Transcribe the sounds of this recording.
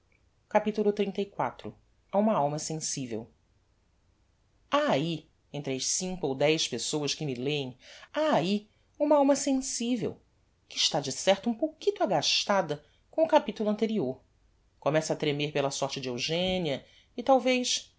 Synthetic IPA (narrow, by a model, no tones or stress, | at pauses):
kapit̪ulʊt̪ɾĩt̪ɐjkwa̰t̪ɾʊ̰ | aũmɐawmɐsẽsivḛw | aːi | ẽnt̪ɾɐsĩŋkʊowd̪ɛjʃpesowɐskɪmɪleẽaːi | ũmɐawmɐsẽsivḛw | kɪʃt̪ad͡ʒɪsɛɾt̪ʊũpokit̪ʊaɡaʃt̪ad̪ɐ | kõʊkapit̪ulʊɐ̃nt̪eɾioɾ | komɛsɐːt̪ɾemeɾpelɐsɔɾt͡ʃɪd͡ʒɪewʒẽniɐ | ɪt̪awvejʃ